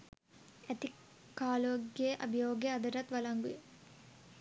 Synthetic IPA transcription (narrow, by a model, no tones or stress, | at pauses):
ɐt̪i | kaːloːɡjeʔɐ̰bʱijoːɡjɐɐd̪ɐɾɐt̪ʋɐlɐŋɡu